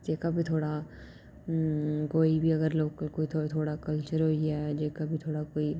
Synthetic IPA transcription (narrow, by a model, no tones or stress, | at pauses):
d͡ʒeːkabʱit̪ʰoːɽa | koːibʱiɐɡəɾloːɡkoːit̪ʰot̪ʰoːɽakəlt͡ʃəɾɦoiɦɛːd͡ʒeːkabʱit̪ʰoːɽakoːi